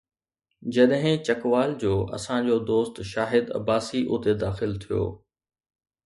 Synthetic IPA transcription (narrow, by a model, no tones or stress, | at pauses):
d͡ʑɐɗɦɪ̃t͡ɕɐkʋaːld͡ʑoːʔɐ̰sãd͡ʑoːd̪oːst̪ʃaːɦɪd̪ɐ̰baːsiʔʊ̰t̪ed̪aːxɪlt̪ʰijo̰ː